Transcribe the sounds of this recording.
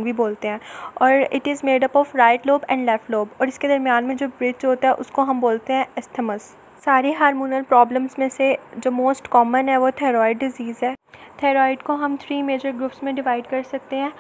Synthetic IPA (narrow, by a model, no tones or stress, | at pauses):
bʱiboːlt̪eɦɛ̃ːɔːɾɪ̰ʈɪzmeːɖɐpɔːfɾaːɪʈloːbɛ̰̃ːɳɖlɛfloːbɔːɾɪsked̪ɐɾmijaːnmẽd͡ʒoːbɾɪd͡ʒɦoːt̪aɦɛʔʊskoɦɐ̃mboːlt̪eɦɛ̃ɪsʈʰəməs | saːɾeɦaːɾmuːnəlpɾɔːblə̃msmẽsed͡ʒoːmoːsʈkɔːmə̃nɦɛʋot̪ʰɛːɾɔːɪɖːɪziːzɦɛːt̪ʰɛːɾɔːɪɖkoɦɐ̃mt̪ʰɾiːmeːd͡ʒəɾɡɾuːpsmẽɖɪʋaːɪɖkɐɾsɐk̚t̪eɦɛ̃ː